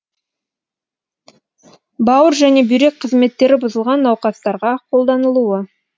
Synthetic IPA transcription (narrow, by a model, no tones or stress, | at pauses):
bɑwəɾʒæne̞bʏjɾe̞k̚qʰəzme̞t̪ːe̞ɾɪbʊzəlˠʁɑnːɑwqɑst̪ɑɾʁɑqʰo̞lˠd̪ɑnəlˠuə